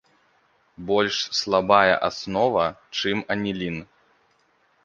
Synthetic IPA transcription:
bɔlʲʂslˠabajɐ̰ʔasnɔvɐt͡ʂɨmɐnʲilʲin

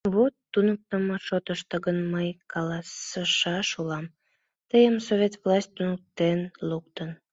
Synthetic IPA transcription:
βot̪ːunək̚t̪əməʃot̪əʃt̪əɣənməjkɑlɑsəʃɑʃulɑm | t̪əjəmsovʲet̪vlɑsʲt̚ʲt̪unək̚t̪enluk̚t̪ən

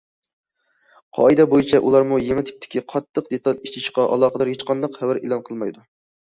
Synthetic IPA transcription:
qʰɑ̰ɨd̪ɛbojit͡ʃʰɛʔulˠɑɾmujemɪt̪ʰɪ̥p̚t̪ʰɪ̥kʲiqʰɑt̪ʰːəqd̪et̪ɑlˠit͡ʃʰit͡ʃqɑʔɑ̰lˠɑːqəd̪ɑɾjet͡ʃqʰɑnd̪ɑqhɛwæɾḛlˠɑnqʰəlˠmɑjd̪u

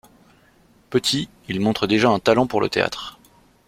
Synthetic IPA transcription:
pət̪ʰi | ilmɔ̃t̪χəd̪eʒaɛ̃t̪alɑ̃puʁlʔə̰t̪ea̰t̪χ

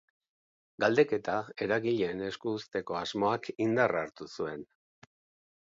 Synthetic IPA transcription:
ɡald̪e̞ke̞t̪ae̞ɾaɣiʎe̞ːne̞skuːst̪e̞ko̞azmo̞akind̪araɾt̪usue̞n

